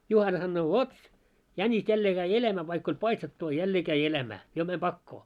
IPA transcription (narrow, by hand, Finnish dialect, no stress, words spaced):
juhɑnɑ sɑnːoː ʋot jænʲis jælːeː kæi elæːmæː ʋɑikː olʲ pɑistetːu ɑ jælːeː kæi elæmæː jo mæm b̥ɑkːoː